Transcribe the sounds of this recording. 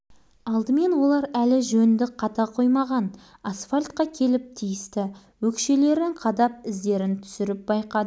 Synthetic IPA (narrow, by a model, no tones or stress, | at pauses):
ɑlˠd̪əme̞nwo̞lˠɑɾælɪʒɵnd̪ɪqʰɑt̪ɑqʰo̞jmɑʁɑnasfalʲt̪̚qɑkʲʰe̞lɪp̚t̪ʰijɪst̪ɪ | wɵkʃe̞le̞ɾɪɴqʰɑd̪ɑp̚ɪzd̪e̞ɾɪnt̪ʰʏ̥sɪɾɪp̚bɑjqɑd̪ə